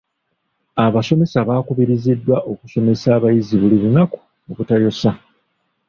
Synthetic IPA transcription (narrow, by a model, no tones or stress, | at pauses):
aβaso̞me̞saβaːkuβiɾizidːwaʔo̞kuso̞me̞saːβajiziβuliβunaku̥ | oβutajo̞sa